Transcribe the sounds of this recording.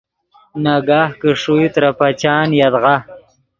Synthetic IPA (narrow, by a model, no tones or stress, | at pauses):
naɡaːhkəʂuit̪ɾapat͡ʃɑːnjad̪ʁa